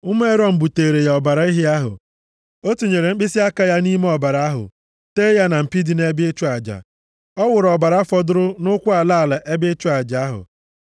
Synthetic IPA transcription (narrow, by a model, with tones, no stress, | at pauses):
ʊ˦m˦e˦ɾɔ˦m̩˨bu˨teː˨ɾe˨ja˨ɔ˨ba˨ɾa˨i˦ɦɪ˦a˦ɦʊ̰˨ | o˦tu˨ɲe˨ɾe˨ŋ͡m̩˦k͡pɪ˦sɪ˦a˦ka˦ja˦ni˦me˦ɔ˨ba˨ɾa˨a˦ɦʊ̰˨ | teː˦ja˦na˨m̩˨pi˦di˨ne˦be˦t͡ʃu˦a˨d͡ʒa̰˨ | ɔ˦wʊ˨ɾɔ˨ba˨ɾa˦fɔ˦dʊ˦ɾʊ˦nʊ˦kʷʊ˦a˨la˦˨la˨ʔe˦be˦t͡ʃʊ˦a˨d͡ʒa˨a˦ɦʊ̰˨